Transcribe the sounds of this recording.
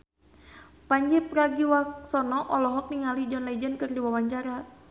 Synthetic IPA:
paɲd͡ʒɛpɾaɡiwaksɔnɔʔɔlɔɦɔk̚niŋalid͡ʒɔnlaid͡ʒənkɨrdiwawaɲt͡ʃaɾa

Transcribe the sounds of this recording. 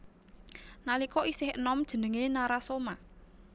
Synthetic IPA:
nalikɔʔisɪhənɔmd̥ʒ̥ə̤nəŋenaɾasoma

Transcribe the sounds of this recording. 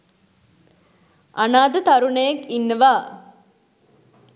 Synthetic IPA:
anaːd̪ət̪aɾunəjekinːəʋaː

